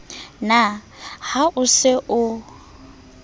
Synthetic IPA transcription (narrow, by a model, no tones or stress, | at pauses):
na | haʔʊsɪʔʊ